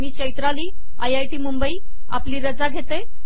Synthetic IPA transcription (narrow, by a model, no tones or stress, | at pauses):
miːt͡ɕəjt̪ɾaliː | a̰jajʈiːmumbəiː | a̰pliːɾəd͡zaɡʱet̪e